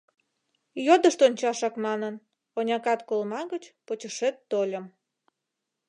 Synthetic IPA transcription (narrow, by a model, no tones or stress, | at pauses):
jod̪əʃt̪onʲt͡ɕɑʃɑkmɑnən | onʲɑkɑt̪kolmɑɣət͡ɕpot͡ɕəʃet̪ːolʲəm